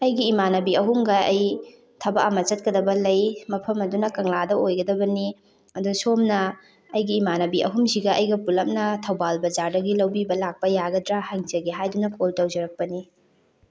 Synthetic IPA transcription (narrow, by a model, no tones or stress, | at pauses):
ɐjɡiːmanɐbiɐɦumɡɐɐj | tʰɐbaʔamɐt͡ʃɐt̚kɐdɐbɐlɐjmɐpʰɐmɐdunɐkɐŋladɐojɡɐdɐbɐni | ɐdusomnɐː | jɡiːmanɐbiʔɐ̰ɦumsiɡɐʔɐjɡɐpulɐm̚nɐtʰɐwbalbɐd͡ʒaɾdɐɡilɐwbibɐlak̚pɐjaɡɐdɾahɐŋt͡ʃɐɡiɦajdunɐkoltɐwzɐɾɐk̚pɐni